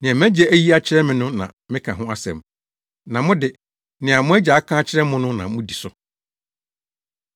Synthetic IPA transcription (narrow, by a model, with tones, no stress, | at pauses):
nɪ̃˨ɛ̃˨m˦æ̃˦d͡ʑɛ˦æ˦ji˦a˦t͡ɕʰɪ˦ɾɛ˦mɪ̃˨nʊ̃˦nã̰˨ | mɪ̃˦kʰã˨ɦʊ̃˦a˦sɛ̰˨m | nã˨mʊ̃˦dɪ˨ | nɪ̃˨a˨mʊ̃˦æ˦d͡ʑa˨a˦kʰã˦t͡ɕʰɪ˦ɾɛ˦mʊ̃˦nʊ̃˦nã̰˨mʊ̃˦di˨sʊ˨